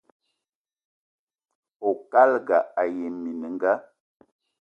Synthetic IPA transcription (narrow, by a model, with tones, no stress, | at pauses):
o˨ka˦lɡa˨a˨je˨mi˨ni˨ŋ˦ɡa˦